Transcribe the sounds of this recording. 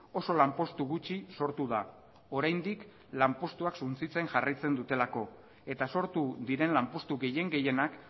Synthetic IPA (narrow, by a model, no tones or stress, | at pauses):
o̞so̞lampo̞st̪uɣut͡ʃiso̞ɾt̪uða | o̞ɾajnd̪ik | lampo̞st̪uaksunt͡sit͡se̞ŋʝarajt͡se̞nd̪ut̪e̞lako̞ | e̞t̪aso̞ɾt̪uðiɾe̞nlampo̞st̪uɣe̞je̞ŋɡe̞je̞nak